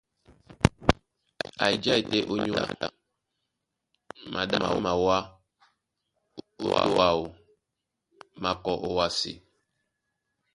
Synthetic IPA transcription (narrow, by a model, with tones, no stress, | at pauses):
a̰˨i˨d͡ʒa˦i˨te˦ʔo˦ɲu˦a̰˨ | mʔa˨ɗa˦ma̰˨wo̰˦ma˨wa˦ | o˦wa˦˨wo˨ | ma˨kɔ˨ʔo˦wa˦sḭ˨